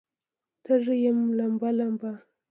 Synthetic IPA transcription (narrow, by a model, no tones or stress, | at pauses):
t̪ʰəʐəjamlambalamba